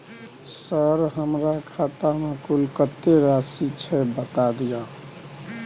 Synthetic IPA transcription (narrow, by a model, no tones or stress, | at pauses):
səɾɦəmɾakʰat̪amekulkət̪ːeɾasit͡ʃʰɛbət̪ad̪ija